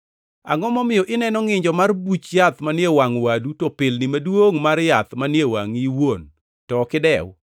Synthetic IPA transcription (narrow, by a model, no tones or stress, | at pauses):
a̰ŋɔmɔmɪjɔʔɪnɛnɔŋɪɲd͡ʒɔmarbut͡ʃjat̪manjewaŋwadutɔpɪlnɪmadwoŋmarjat̪manjewa̰ŋiwon | tɔkɪdɛw